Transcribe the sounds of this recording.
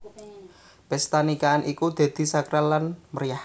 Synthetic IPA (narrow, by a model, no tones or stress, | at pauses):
b̥ɛst̪anikaːnʔikud̪̥e̤d̪̥i̤sakɾalːanməɾijah